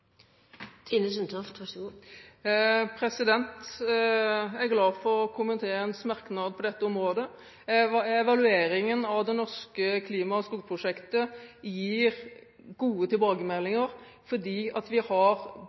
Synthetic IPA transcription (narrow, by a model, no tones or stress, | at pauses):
t̪ʰɪnəsənt̪ʰɔft̪ʋɑsɡo | pʰʁɛsɪd̪ɛnt̪ | æɾɡlɑːfɔɾɔkʰʊmənt̪ʰeːɾəɛnsmɑʁknɑːd̪̚pʰɔd̪ɛt̪ːəʊmʁoːd̪ə | ɛʋɑlʉeːɾɪŋənɑʋd̪ɛnɔʁʂkəkʰliːmɑskuːɡpʰʁʊʂɛkt̪əjiːɾ | ɡuːət̪ʰɪlbɑːɡəmɛlːɪŋəɾ | fɔʁd̪iːɑt̪ʋɪhɑɾ